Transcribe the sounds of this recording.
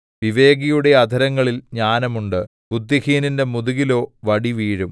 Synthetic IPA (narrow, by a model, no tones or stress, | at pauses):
ʋiʋe̞ːɡɐjuɽe̞ɐd̪ʱɐɾɐŋːɐɭilɲaːnɐmuɳɖɨ | bud̪jɐhiːninde̞muðuɣilo̞ːʋɐɽiʋiːɻum